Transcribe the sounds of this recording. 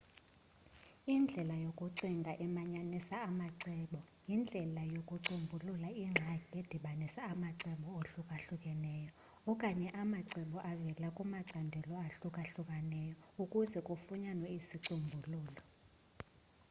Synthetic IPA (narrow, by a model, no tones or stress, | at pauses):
ind͡ɮʱɛlajokʼuǀiŋdʱaʔɛmaɲanisaːmaǀɛɓɔjind͡ɮʱɛlajokʼuǀumbʱululaiŋ͡ǁʱaked̥ʱiɓanisaːmaǀɛɓɔoɬukʼaɬukʼɛnɛːjɔ | ɔkʼaɲɛʔamaǀɛɓɔʔavɛlakʼumaǀandʱɛlɔaɬukʼaɬukʼanɛːjɔukʼuzɛkʼufuɲanwɔisiǀumbʱuluːlɔ